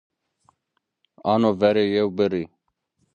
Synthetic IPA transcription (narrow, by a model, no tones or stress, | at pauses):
ɑːnovɛɾejewbəɾi